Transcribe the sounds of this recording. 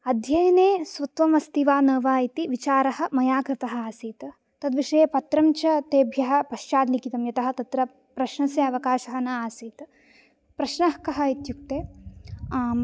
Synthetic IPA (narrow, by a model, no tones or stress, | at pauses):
ɐd̪ʱjɐjɐneːsʋɐt̪ʋɐmɐst̪iʋaːnɐːʋaːit̪iʋit͡ʃaːɾɐhɐ̆mɐjaːkɾɪt̪ɐɦɐaːsiːt̪ | t̪ɐd̪ʋiʂɐjɐpɐt̪ɾɐmt͡ʃɐt̪eːbʱjɐɦɐpɐʃt͡ʃaːd̪likit̪ɐmjɐt̪ɐɦɐt̪ɐt̪ɾɐ | pɾɐʃnɐsjɐɐʋɐkaːʃɐɦɐnɐaːsiːt̪ | pɾɐʃnɐhkɐɦɐit̪juk̚t̪eː